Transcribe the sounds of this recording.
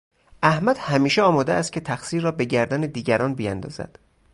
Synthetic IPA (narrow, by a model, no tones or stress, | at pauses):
ʔæhmæd̪̥hæmiːʃeɒːmɒːd̪eæst̪̚cʰe̞t̪ʰæxsiːɾrɒːbe̞ɟæɾd̪æned̪iːɟæɾɒːnbijænd̪ɒ̰ːz̥æ̰d̪̥